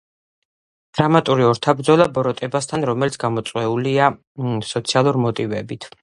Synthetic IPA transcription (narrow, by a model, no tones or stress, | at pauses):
d̪̥ɾamat̪ʼuɾiɔɾt̪ʰabɾd̪zɔlˠabɔɾɔt̪ʼɛbast̪ʰanɾɔmɛlit̪sɡ̥amɔt̪sʼwɛulia | sɔt̪sʰialˠuɾmɔt̪ʼivɛbit̪ʰ